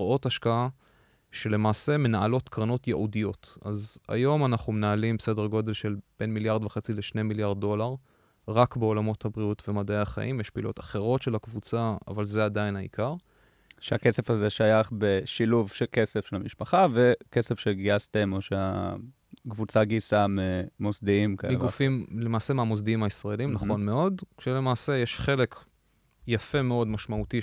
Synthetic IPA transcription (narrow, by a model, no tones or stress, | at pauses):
o̞taʃkaa | ʃe̞le̞maːse̞me̞naalo̞t̪kʁano̞tjeʔudijo̞taza̰jo̞manaχumenaːlimbse̞deʁɡo̞d̪e̞lʃe̞lb̥e̞nmiljaʁd̪veχet͡sileʃnemiljaʁd̪̚ːo̞laʁ | ʁakbeo̞lamo̞thabʁiutvemad̪eaχa̰ʔimjeʃpḭlo̞̰taχe̞ʁo̞tʃelhakvut͡sa̰ːvalze̞adajinhaḭkaʁ | ʃeakesefazeʃajaχbe̞ʃiluvʃekesefʃelamiʃpaχave̞kesefʃeɡiast̪emoʃea̰ | kvut͡saɡisamemosd̪iimkaɡufimle̞maːse̞meamosd̪iimaisʁaelimnaχo̞nmeo̞dkʃele̞maːse̞jeʃχe̞le̞k | jafe̞me̞o̞dmaʃmauti